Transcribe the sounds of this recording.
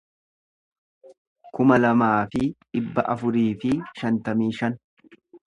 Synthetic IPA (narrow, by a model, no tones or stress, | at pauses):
kʊmɐlɐmaːfɪᶑɪbːɐʔɐfʊɾiːfɪʃɐnt̪ɐmiːʃɐn